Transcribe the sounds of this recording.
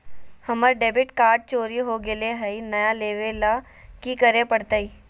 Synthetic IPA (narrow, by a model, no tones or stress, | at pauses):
hɐməɾɖeːbɪʈkaːɾʈ̚t͡ʃoːɾiɦoɡɪleɦɐinɐjaleːʋela | kikəɾẽpəɽt̪aiː